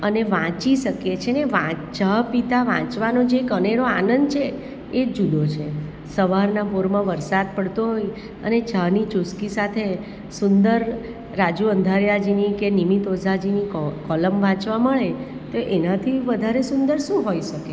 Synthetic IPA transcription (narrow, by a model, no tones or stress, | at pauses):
əneʋãt͡ʃiʃəket͡ʃʰeneʋãd͡ʒəɦpit̪aʋã̰t͡ʃʋanod͡ʒekəneɾoanənd̪̚t͡ʃʰeː | d͡ʒud̪ot͡ʃʰe | səʋaɾnapoɾmãʋəɾsad̪̚pəɽt̪oɦoj | ə̰ned͡ʒəɦnit͡ʃʊskisat̪ʰe | sʊnd̪əɾː | ad͡ʒuənd̪ʱaɾjad͡ʒinikenimit̪od͡ʒʱad͡ʒinikɔləmʋãt͡ʃʋaməɭe | t̪oʔenat̪ʰiʋəd̪ʱaɾesʊnd̪əɾʃũɦoiʃəke